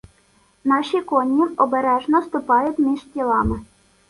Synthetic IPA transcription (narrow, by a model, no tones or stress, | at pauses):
nɑʃikonʲːiɔbɛɾɛʒnɔst̪ʊpɑjʊt̪ʲmʲiʒtʲilˠɑmɘ̆